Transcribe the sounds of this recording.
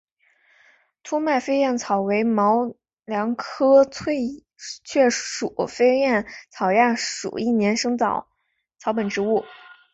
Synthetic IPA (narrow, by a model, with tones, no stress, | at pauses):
t̪ʰu˥ma˥˩ɪfe˥ɪjɛ˥˩nt͡sʰɑ˨˩ʊwe˧˥ɪmɑ˧˥ʊ | ljɑ˧˥ŋkʰɤ˥t͡sʰwe˥˩ɪ | t͡ɕʰɥɛ˥˩ʂu˨˩fe˥ɪjɛ˥˩nt͡sʰɑ˨˩ʊja˥˩ʂṵ˨˩i˥˩njɛ˧˥nʂɤ˥ŋt͡sɑ˨˩˦ʊ | t͡sʰɑ˧˥ʊpə˨˩nʈ͡ʂɻ̩˧˥u˥˩